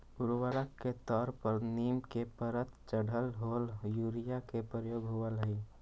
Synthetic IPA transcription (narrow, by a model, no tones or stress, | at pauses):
uɾʋəɾəkːet̪ɔɾpəɾnimkepəɾət̪t͡ʃəɽ̤ʱəlɦoljuɾijakepɾəjoːɡɦoəlɦəɪ